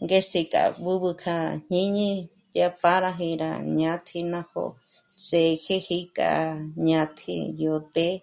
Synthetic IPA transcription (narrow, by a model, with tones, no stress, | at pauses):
ŋɡe˦si˧kʼa̰˧˨bu˦βɨ˧kʰa˧ɲ̥ɲĩ˦ɲĩ˧ | jja˧pa˧ɾa˧ɦĩ˧ɾa̰˧ɲã˧t̪ʰi˧nã˧ho̰˧ | se˨˧kʰe˦hi˧kʼa̰˧ɲã˧t̪ʰḭ˧jo˧t̪e˦